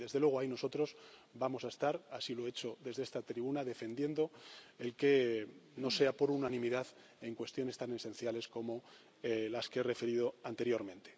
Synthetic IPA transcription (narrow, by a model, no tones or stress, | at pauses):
ðe̞zðelwe̞ɣ̞o̞ajno̞so̞t̪ɾo̞sbamo̞sae̞st̪aɾasilo̞e̞t͡ʃo̞ðe̞zðest̪at̪ɾiβunaðe̞fe̞nd̪je̞nd̪o̞e̞lke̞no̞se̞apo̞ɾunanĩmiðað | e̞ŋkwe̞st̪jo̞ne̞st̪ane̞sẽ̞nθjale̞sko̞mo̞ | laskeere̞fe̞ɾiðo̞ant̪e̞ɾjo̞ɾmẽ̞nt̪e